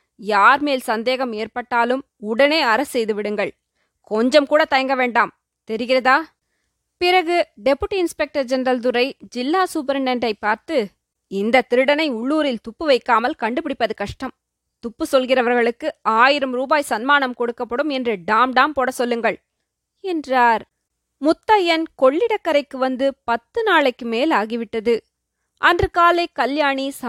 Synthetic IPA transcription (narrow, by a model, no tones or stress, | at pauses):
jaːɾmeːlsɐnd̪eːɣɐmeːɾpɐʈːaːlɯm | ʊɽɐneːɐɾɐsːɛjðɯʋɪɽɯŋɡɐɭ | kɔɲd͡ʒɐmkuːɽɐt̪ɐjɐŋɡɐʋeːɳɖaːm | t̪ɛɾɪɣɪrɐðaː | pɪɾɐɣɯɖɛpːɯʈːiɪnspɛk̚ʈɐɾd͡ʒɛnɾɐlt̪̬ɯɾɐɪd͡ʒɪlːaːsʊpɐɾɐnɛndɐɪpːaːɾt̪ɯ | ɪnd̪ɐt̪ːɪɾɯɽɐnɐɪʊɭːuːɾɪlt̪ʊpːɯʋɐɪkːaːmɐlkɐɳɖɯpɪɽɪpːɐðɯkɐʂʈɐm | t̪ʊpːɯsɔlɣɪrɐʋɐɾɣɐɭɯkːɯaːjɪɾɐmɾuːbaːjsɐnmaːnɐmkɔɽɯkːɐpːɐɽɯmɛndrɯɖaːmɖaːmpoːɽɐsɔlːɯŋɡɐɭ | ɛndraːɾ | mʊt̪ːɐjɐnkɔɭːɪɽɐkːɐɾɐɪkːɯʋɐnd̪ɯpɐt̪ːɯnaːɭɐɪkːɯmeːlaːɣiʋɪʈːɐðɯ | ʔɐndrɯkaːlɐɪkɐljaːɳisɐ